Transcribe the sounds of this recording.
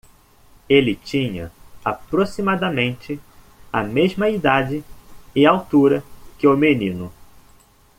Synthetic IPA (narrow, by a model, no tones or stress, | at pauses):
elɪt͡ʃĩɲɐ̰apɾosimad̪ɐmẽnt͡ʃɪ | ɐmeʒmɐid̪ad͡ʒɪɪawt̪uɾɐkɪʊmenĩnʊ